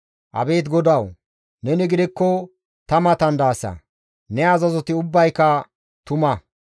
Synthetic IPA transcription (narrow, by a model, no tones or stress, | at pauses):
ʔɐ̰be̞ːt̪ɡɔd̪ɐw | nɛnɪɡɪd̪ɪkːɔ | t̪ɐmɐt̪ɐnd̪aːsɐ̰ | nɛɐzɐzɔt̪ɪʊbːɐjkːɐ | t̪ʊmɐ